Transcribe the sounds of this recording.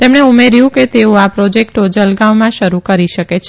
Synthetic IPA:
t̪emɳeumeɾjũket̪eũapɾɔd͡ʒek̚ʈod͡ʒəlɡaʋmãʃəɾukəɾiʃəket͡ʃʰ

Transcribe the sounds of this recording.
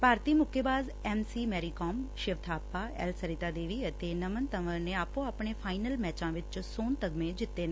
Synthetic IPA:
paːɾt̪iːmʊkʰːebaːz | ɛːmsiːmɛːɾiːkɔːmʃɪʋt̪ʰaːpːaːɛ̰ːlsəɾɪt̪aːd̪eːʋiːət̪eːnəmənt̪əʋəɾneːaːpõːaːpɳeːpʰaːɪnəlmɛːt͡ʃãːʋɪt͡ʃsoːnt̪əɡmẽːd͡ʒɪt̪ːeːnẽː

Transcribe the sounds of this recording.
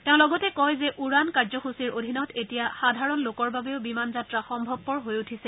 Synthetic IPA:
teʊ̃lɔɡɔtɛkɔjzɛʔuɹankaɹzɔxusiɹodʱinɔtetijaxadʱaɹɔnlokɔɹbabɛʊbimanzatɹaxɔmbʱɔb̚pɔɹɦojutʰisɛ

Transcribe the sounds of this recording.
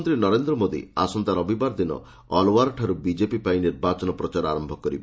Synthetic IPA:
nt̪ɾinɔɾend̪ɾɔmod̪ḭa̰sɔnt̪aɾɔbibaɾd̪inɔ̰ | ɔlwaɾɔʈʰaɾubid͡ʒepipainiɾbat͡ʃɔnɔpɾɔt͡ʃaɾɔaɾɔmbʱɔkɔɾibɔ

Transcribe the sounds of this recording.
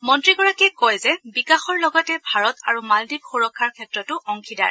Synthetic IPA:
mɔntɹiɡɔɹakɛkɔjzɛbikaxɔɹlɔɡɔtɛbʱaɹɔtaɹumaldib̚xuɹɔkʰːaɹkʰɛtɹɔtʊɔŋkʰida̰ɹ

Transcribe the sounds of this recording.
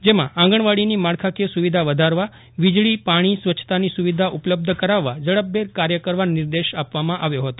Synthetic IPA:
d͡ʒemããŋ̆ɡəɳ̃ʋaɽinimaɽkʰakesuʋid̪ʱaʋəd̪ʱaɾʋa | ʋid͡ʒɭipaɽ̃isʋət͡ʃʰt̪anisuʋid̪ʱaʔupləb̚d̪ʱəkəɾaʋːad͡ʒəɭəb̚ːeɾkaɾjəkəɾʋanɪɾd̪eʃapʋamãʔaʋjoɦət̪o

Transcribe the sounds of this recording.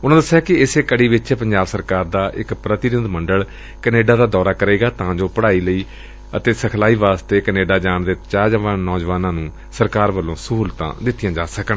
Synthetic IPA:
ʊnãːd̪əsːaːkɪɪseːkəɽiːʋɪt͡ʃːpəɲd͡ʒaːbsəɾkaːɾd̪aːʔɪkpɾət̪ɪd̪ɪd̪məɳɖəɭ | kəneːɖaːd̪aːd̪ɔːɾaːkəɾeːɡaːt̪ãːd͡ʒoːpəɽaːiːləiː | ət̪eːsəkʰlaːiːʋaːst̪eːkəneːɖaːd͡ʒaːɳd̪eːt͡ʃaːd͡ʒʋãːnɔːd͡ʒʋaːnãːnũː | səɾkaːɾʋəlːõːsuuːlt̪ã̰ːd̪ɪt̪ːɪjãːd͡ʒaːsəkəɳ

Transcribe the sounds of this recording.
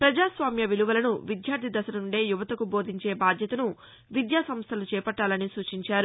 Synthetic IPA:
pɾɐd͡ʒaːsʋaːmjɐʋiluʋɐlɐnuʋid̪ʱjaːɾt̪ʰid̪ɐsɐnɐuɳɖe̞ːjuʋɐt̪ɐkubo̞ːd̪ʱiɲt͡ʃe̞ːbaːd̪ʱjɐt̪ɐnu | ʋid̪jaːsɐmst̪ʰɐlut͡ʃɛːpɐʈːaːlɐnisuːt͡ʃiɲt͡ʃaːɾu

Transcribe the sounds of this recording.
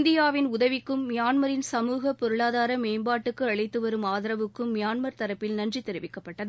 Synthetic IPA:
nd̪ɪjaːʋɪnʊðɐʋɪkːɯmːɪjaːnmɐɾɪnsɐmuːɣɐpːɔɾɯɭaːðaːɾɐmeːmbaːʈːɯkːɯɐɭɐɪt̪ːɯʋɐɾɯmaːðɪɾɐʋɯkːɯmːɪjaːnmɐɾt̪ɐɾɐpːɪlnɐndrit̪ːɛɾɯʋɪkːɐpːɐʈːɐðɯ

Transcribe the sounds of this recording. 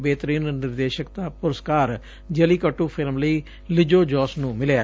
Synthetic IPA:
beːt̪əɾiːnnɪɾd̪eːʃəkt̪aːpʊɾəskaːɾ | d͡ʒəliːkəʈːuːpʰɪlmləiː | lɪd͡ʒoːd͡ʒɔːsnũːmɪlea

